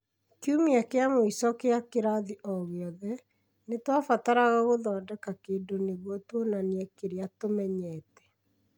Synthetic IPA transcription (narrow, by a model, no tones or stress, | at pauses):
kiumiakeamoisɔkeakeɾaðiʔɔɣeɔðɛ | netwafataɾaɣaɣoðɔːdɛkakeːdoneɣwɔtwonaniɛkeɾeatomɛɲɛtɛ̥